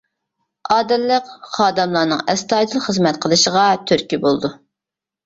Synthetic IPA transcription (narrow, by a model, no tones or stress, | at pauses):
ɑːd̪ɛlːəqχɑːd̪ɛmlˠɑnɨŋɛst̪ɑːd̪ɨlˠχəzmɛt̪̚qʰəlˠɨʃəʁɑt̪ʰyɾkʲibolˠd̪u